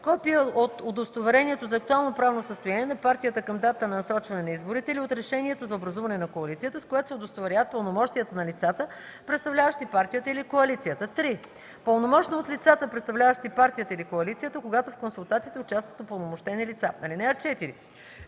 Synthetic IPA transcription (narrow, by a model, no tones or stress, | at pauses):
kɔpiəot̪od̪ost̪ovɛɾɛniɛt̪ozɐːk̚t̪ualˠnopɾavnosəst̪ojaniɛnɐpaɾt̪ʲijət̪əkɐmd̪at̪t̪ənɐnɐsɾɔt͡ʃvɐnɛnɐizboɾit̪ɛiliot̪ɾɛʃɛniɛt̪ozɐobɾɐzuvɐnɛnɐkoɐlit̪siət̪əskojat̪o̥sɛod̪ost̪ovɛɾʲjavət̪̚pəlˠnomɔʃt̪ijət̪ənɐlit̪sat̪ə | pɾɛt̪st̪ɐvlʲavəʃt̪ipaɾt̪ʲijət̪əilikoɐlit̪sijət̪ət̪ɾi | pəlˠnomɔʃnoot̪lit̪sat̪əpɾɛt̪st̪ɐvlʲavəʃt̪ipaɾt̪ʲijət̪əilikoɐlit̪sijət̪əkoɡat̪ofkonsulˠt̪at̪sit̪ɛʊt͡ʃast̪vət̪opəlˠnomoʃt̪ɛnilit̪sanɐlinɛɛɾt͡ʃɛt̪iɾi